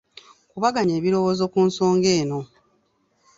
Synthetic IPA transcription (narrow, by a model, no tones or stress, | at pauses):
kuβaɡaɲeːβiɾo̞woːzo̞kuːnso̞ːŋɡe̞ːno̞